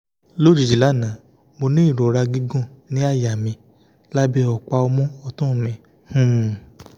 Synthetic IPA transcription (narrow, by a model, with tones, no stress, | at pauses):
lo˦˨d͡ʒi˨d͡ʒi˨la˨˦˨nã˨˦ | mo˧nĩ˦i˦˨ɾo˨ɾa˧ɡi˦ɡũ˦˨nĩ˦a˦˨ja˨mĩ˧ | la˦bi˦ɔ˨k͡pa˧o˧mɔ̃˦ɔ˧tũ˦˨mĩ˨ | hũ˦˨